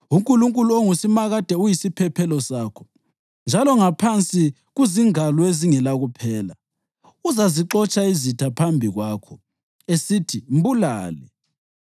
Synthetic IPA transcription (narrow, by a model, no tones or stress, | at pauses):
uŋkʼuluŋkʼuluoŋusimaɣad̥ʱɛujisipʰɛpʰɛlɔsaːkʰɔ̥ | nd͡ʒʱalɔŋapʰant͡sʼi | ɣuziŋalɔeziŋɛlaɣupʰɛːla | uzaziǁɔt͡ʃʼaizitʰapʰambʱiɣwaːkʰɔ | esitʰim̩bula̰ːlɛ